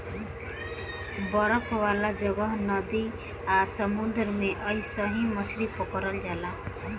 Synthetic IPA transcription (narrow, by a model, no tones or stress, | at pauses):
bʌɾʌpʰwalad͡ʒʌɡʌɦnʌd̪i | asʌmud̪ɾmeʔʌisʌɦĩmʌsɾipɔkʌɾʌld͡ʒala